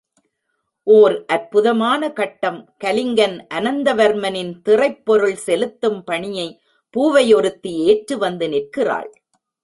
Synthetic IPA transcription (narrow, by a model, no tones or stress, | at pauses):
ʔoːɾʔɐɾpʊðɐmaːnɐkɐʈːɐmkɐlɪŋɡɐnʔɐnɐnd̪ɐʋɐɾmɐnɪnt̪ɪrɐɪpːɔɾɯɭsɛlɯt̪ːɯmpɐɳɪjɐɪ | puːʋɐjɔɾɯt̪ːieːʈrɯʋɐnd̪ɯnɪrkɪra̰ːɭ